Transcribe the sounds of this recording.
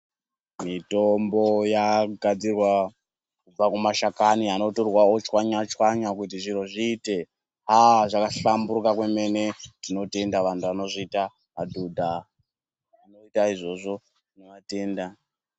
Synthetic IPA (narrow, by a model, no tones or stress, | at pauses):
mitombo̞jaɡʱad͡zirwa | kub͡vakumaʃakaniano̞torwaot͡ʃwaɲat͡ʃwaɲakutiʐiɾoʐiːte̞ | ɦaʐakaɬamburukakwe̞me̞ne̞tino̞te̞ndaʋantʰuano̞ʐiita | adʱudʱa | anoitaiʐo̞ʐo̞ | inoʋate̞ːnda